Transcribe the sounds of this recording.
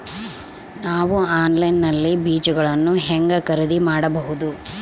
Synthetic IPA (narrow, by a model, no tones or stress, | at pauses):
naːʋuaːnlɐjnːɐlːibiːt͡ʃuɡɐɭɐnːuɦɛŋɡɐkɐɾid̪imaːɽɐbɐɦud̪u